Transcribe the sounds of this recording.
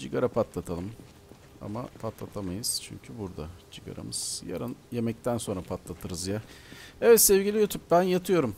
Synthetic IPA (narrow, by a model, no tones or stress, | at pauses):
d͡ʒiɡaɾapʰat̪lˠat̪ʰalˠɯm | a̰ma̰pʰat̪lˠat̪ʰamajɯz̥t͡ʃʰy̰ɲcʰybuɾd̪ad͡ʒiɡa̰ɾa̰mɯz̥ja̰ɾɯnje̞mɛc̚t̪ʰænso̞nɾapʰat̪lˠat̪ʰɯɾɯzja | ɛvɛt̪sɛvɟilʲijut̪ʰup̚bænjat̪ʰɯjo̞ɾum